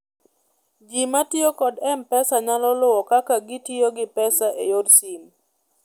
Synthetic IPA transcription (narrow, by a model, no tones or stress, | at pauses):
d͡ʒimatjokɔdɛmpɛsaɲalɔlʊwɔkakaɡɪtioɡɪpɛsaʔejodsim